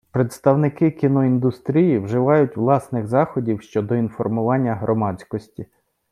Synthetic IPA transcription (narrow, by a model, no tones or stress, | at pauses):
pɾet̪st̪ɐwnɪkɪkʲinɔind̪ʊst̪ɾʲijiwʒɪʋɑjʊtʲʋlˠɑsnɪɣzɑxɔdʲiwʃt͡ʃɔd̪ɔinfɔrmʊʋɑnʲːɐɦɾʔɔmɑt͡sʲkɔsʲtʲi